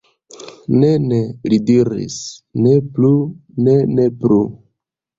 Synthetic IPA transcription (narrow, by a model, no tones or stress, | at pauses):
nenelidiɾḭsnepluneneplu